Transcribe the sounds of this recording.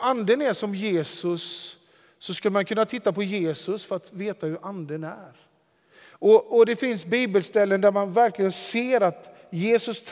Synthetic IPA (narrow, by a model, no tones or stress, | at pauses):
and̪ənæʂɔmjeːsɵsː | ɔskɵləmankʰɵnːat̪ʰɪt̪ːapɔjeːsɵsfœɾat̪veːt̪ahɵɾʔand̪ənæɾ | ɔɔd̪ɛfɪnsbiːbəlst̪ɛlːənd̪æɾmanvæɾklɪɡənseːɾat̪ | jeːsɵst̪ʰ